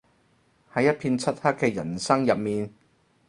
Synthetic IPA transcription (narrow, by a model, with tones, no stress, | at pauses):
hɐ˨˥jːɐ˥t̚pʰiː˧nt͡sʰɐ˥t̚hɐ˥t̚kɛː˧jɐ̰˨˩nsɐ˥ŋjɐ˨p̚miː˨n